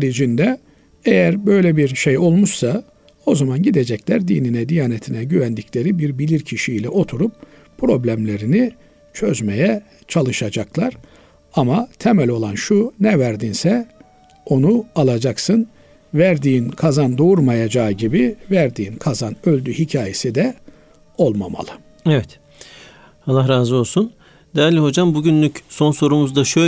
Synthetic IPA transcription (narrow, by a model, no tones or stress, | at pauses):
ɾid͡ʒind̪ɛ | ejæɾbø̞jlʲɛbiɾʃejo̞lˠmuʃsa | o̞zamanɟid̪ed͡ʒɛclʲæɾd̪iːninɛd̪ijaːnet̪ʰinɛɟyvænd̪iclʲe̞ɾibiɾbilʲiɾcʰiʃilʲɛʔo̞t̪ʰuɾup̚ | pʰɾo̞blʲæmlʲe̞ɾini | t͡ʃʰø̞zmejɛ | t͡ʃʰalˠɯʃad͡ʒaklˠaɾ | amat̪ʰemælʲo̞lˠanʃunɛvæɾd̪insɛ | o̞nualˠad͡ʒaksɯn | væɾd̪iːnkʰazand̪ouɾmajad͡ʒaɟibivæɾd̪iːnkʰazanø̞lʲd̪yhicʰaːje̞sid̪ɛ | o̞lˠma̰ma̰lˠɯ | evɛt̪ | halˠːahɾaːzo̞lˠsun | d̪ɛɾlʲiho̞d͡ʒambuɟynlʲycso̞nso̞ɾumuzd̪aʃø